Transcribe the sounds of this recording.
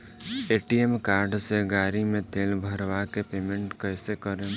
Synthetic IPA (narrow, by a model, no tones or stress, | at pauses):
eʈiemkaɾɖseɡaɾimẽt̪eːlbʱəɾʋakepemeɳʈkəɪsekəɾe